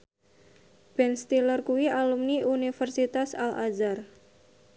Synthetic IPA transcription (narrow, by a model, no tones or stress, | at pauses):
b̥ɛnst̪ilərkuwialumniʔunifərsit̪asalʔa̰zar